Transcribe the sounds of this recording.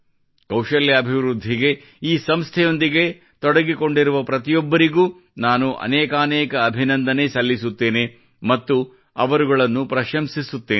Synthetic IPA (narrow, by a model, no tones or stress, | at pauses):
kɐwʂɐljɐːbʱiʋɾud̪ʱːiɡe̞ | iːsɐmst̪ʰɛjo̞nd̪iɡe̞ | t̪ɔɽɐɡiko̞ɳɖiɾuʋɐpɾɐt̪ijɔbːɐɾiɡuː | naːnuʔɐ̰nɛːkaːnɛːkɐːbʱinɐnd̪ɐnesɐlːisut̪ːe̞ːne | mɐt̪ːu | ɐ̰ʋɐɾuɡɐɭɐnːupɾɐʃɐmsisut̪ːeː